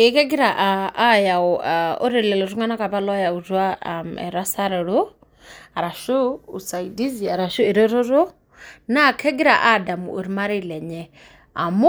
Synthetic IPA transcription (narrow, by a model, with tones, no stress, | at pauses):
e˦kɛ˦ɡi˦ɾa˨ʔaː˦ja˨ɔo̰˦ɾi˨lɛ˨lɔ˨ɾu˦ŋa˦na˦ka˨pa˦lɔ˦ja˨u˨twa˦mɛ̰˨ɾa˦sa˦ɾɛ˨ɺo˦ | a˨ɾa˨ʃu˦u˨sa˨idi˦zia˨ɾa˨ʃu˦e˨ɾɛ˦ɾo˦ɾo˦ | na˦kʰɛ˦ɡi˦ɾaʔa˦da˨mṵ˨ṵ˨ɾi˦ma˦ɾi˦lɛ˨ɲɛ | a̰˨m˦